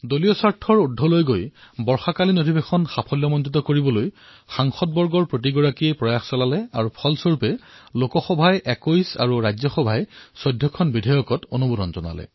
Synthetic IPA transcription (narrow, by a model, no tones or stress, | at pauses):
dolijɔsaɹtʰɔɹudʱːɔlojɡojbɔɹxakalinodʱibexɔnxapʰɔljɔmɔnzit̬ɔkoɹibɔloj | xaŋxɔt̚bɔɹɡɔɹpɹot̬iɡɔɹakiepɹɔjaxsɔlalɛaɹupʰɔlsoɹupɛlokɔxɔbʱajʔɛkojsa̰ɹuɹajzɔxɔbʱajsɔjdʱjɔkʰɔnbidʱajɔkɔtonubudɔnzɔna̰lɛ̰